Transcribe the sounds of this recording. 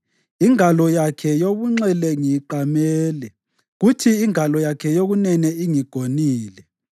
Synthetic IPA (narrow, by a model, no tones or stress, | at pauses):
iŋalɔjakʰɛjoɣuŋ͡ǀɛlɛŋiǃamɛːlɛ | ɣutʰiːŋalɔjakʰɛjoɣunɛnɛiŋiɡ̥ʱoniːlɛ